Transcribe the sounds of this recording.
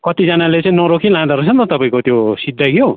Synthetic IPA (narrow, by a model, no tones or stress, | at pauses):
kʌt̪id͡zanalet͡sãĩnʌɾokʰilãd̪aɾosʰʌnt̪ʌt̪ʌpaĩkot̪josid̪ʱaɡjo